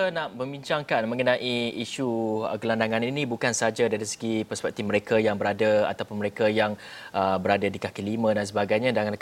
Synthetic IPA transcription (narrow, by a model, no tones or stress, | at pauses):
ənaʔməmbiɲt͡ʃaŋkanmə̃ŋənãʔiiʃuɡəlandaŋaninĩbukansad͡ʒadaɾisə̥ɡipɛrspɛk̚t̪ifməɾekajaŋbəɾadaa̰t̪awpʊnməɾekajaŋʔəbəɾadadikakiəlimə̃dans̬əbaɡajɲãdaŋanl